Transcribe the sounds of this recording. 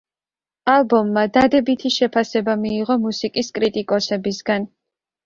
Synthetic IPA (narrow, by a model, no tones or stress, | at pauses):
alˠbɔmːad̪ad̪ɛbit̪ʰiʃɛpʰasɛbamiːʁɔmusikʼiskʼɾit̪ʼikʼɔsɛbisɡan